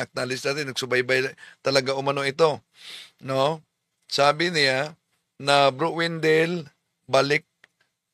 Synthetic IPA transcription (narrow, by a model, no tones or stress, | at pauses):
ak̚t̪aːlɪsd̪aːt̪ɪnɐɡ̚sʊbajbajt̪ɐlɐɡaʔʊmanoɪt̪o | no | saːbɪnɪja | nabɾʊʔwɪnd̪ɛl | balɪk̚